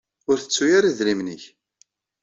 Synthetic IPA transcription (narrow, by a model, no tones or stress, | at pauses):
ʊɾθət͡sːujaɾiðɾimnəç